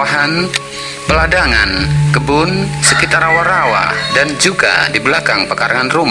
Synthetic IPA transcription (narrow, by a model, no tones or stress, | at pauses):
aɦan | pəladaŋankəbʊnsəkit̪aɾawaɾawa̰dand͡ʒuɡa̰dibəlakaŋpəkaɾaŋanrum